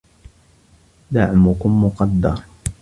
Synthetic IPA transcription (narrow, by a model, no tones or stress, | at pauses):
d̪aʕmʊkʊmːʊqɑd̪ːɑɾˤ